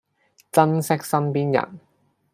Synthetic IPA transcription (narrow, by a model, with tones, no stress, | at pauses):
t͡sɐ˥nsɪ˥k̚sɐ˥npiː˥njɐ̰˨˩n